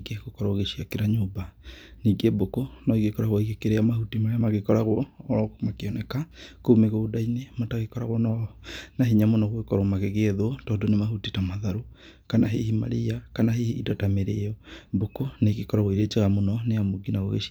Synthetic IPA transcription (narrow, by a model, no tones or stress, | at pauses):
iɡeɣokɔɾaoɣeʃiakeɾaɲoːbaniɡebokonɔiɣekɔɾaɣwaiɣekeɾeamahutimaɾeamaɣekɔɾaɣwɔɾɔkmakeɔnɛkakoumeɣoodainemataɣekɔɾaɣwɔnɔnaɦiɲamonɔɣwekɔɾomaɣeɣeːðoɔtɔːndonemahutitamaðaɾo | kanaɦehima̰ɾiakanaɦehiidɔtameɾejɔbokoneɣekɔɾaɣwiɾet͡ʃeɣamonɔneamoɡinaɣo̰ɣḛʃia